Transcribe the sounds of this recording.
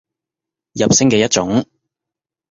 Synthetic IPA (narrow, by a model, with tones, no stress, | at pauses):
jɐ˨p̚sɪ˥ŋkɛː˧jɐ˥t̚t͡ʃʊ˨˥ŋ